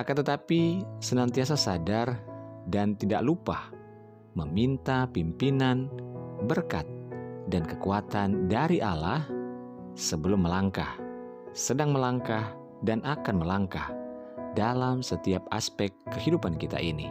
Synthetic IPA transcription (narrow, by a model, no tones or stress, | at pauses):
ʔakant̪ət̪apisənant̪ias̬asadardant̪ida̰ʔlupah | məmint̪apimpinanbərkat̪̚dankəkuat̪andaɾiʔalah | səbəlʊmːəlaŋkah | sədaŋməlaŋkah | danʔakanməlaŋkah | dalamsət̪iap̚a̰spɛkːəhidupankit̪a̰ʔinḭ